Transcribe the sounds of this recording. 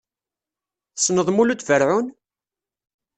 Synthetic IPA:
snəðˤmulud̪vəɾʕun

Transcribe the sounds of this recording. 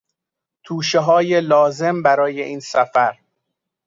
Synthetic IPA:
t̪ʰuːʃeɦɒːjelɒːze̞mbæɾɒːjeʔiːnsæfæɾ

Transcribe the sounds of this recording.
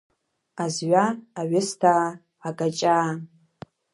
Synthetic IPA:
azɥʷaːɥɪstʰa | akʼat͡ʃʼaː

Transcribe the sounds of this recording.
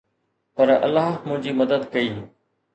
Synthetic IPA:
pɐɾɐ̰lːaːɦmʊ̃ɦɪ̃ɲd͡ʑiːməd̪əd̪kɐiː

